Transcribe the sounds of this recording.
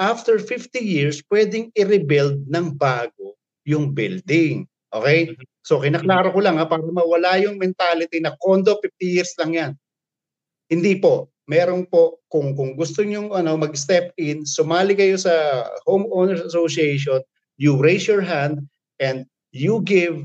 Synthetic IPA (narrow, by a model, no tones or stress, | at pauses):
ʔaft̪ɛɹfɪft̪ijɪɹspwɛd̪ɪŋɪɾɪbɪld̪̚nɐŋbaːɡo̞ | jʊŋbɪld̪ɪŋ | ʔo̰kɛj | so̞kɪnɐklaːɾokʊlɐŋapaːɾɐmɐwɐlajʊŋmɛnt̪alɪt̪inɐkond̪o̞fift̪ijɪɹslɐŋjan | hɪnd̪ipo̞ʔ | mɛːɾo̞npo̞ʔkʊŋkʊŋɡʊst̪oɲʊŋɐno̞mɐɡ̚st̪ɛpɪnsʊmaːlɪkɐjo̞sɐhowmʔoːnɛɹsɐsosiejʃ̬on | jʊɹejsjɔɹɦand̪̚ | ʔɛnd̪̚ | juɡɪv